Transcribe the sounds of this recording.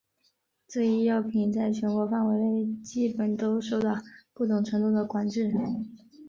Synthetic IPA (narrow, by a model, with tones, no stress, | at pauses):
ʈ͡ʂɤ˥˧i˥˧jɑ˥˩ʊpʰi˨˩nt͡sa˥˩ɪt͡ɕʰɥɛ˧˥nkwɔ˧˥fa˥˩nwe˧˥ɪle˥˧ɪt͡ɕi˥˩pə˨˩nt̪o˥ʊʂo˥˧ʊt̪ɑ˥˩ʊpu˥˩t̪ʊ˨˩ŋʈ͡ʂʰɤ˧˥ŋt̪u˥˩d̪ə˩kwa˧˩nʈ͡ʂɻ̩˥˩